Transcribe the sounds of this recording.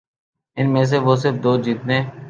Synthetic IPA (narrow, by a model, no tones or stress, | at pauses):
ɪnmẽːs̬eːʋoːs̬ɪɾfd̪oːd͡ʒiːt̪nẽː